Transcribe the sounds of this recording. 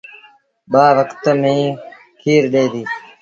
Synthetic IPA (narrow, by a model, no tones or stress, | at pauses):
ɓaːʋəkt̪mẽː | kʰiːɾɗeːd̪iː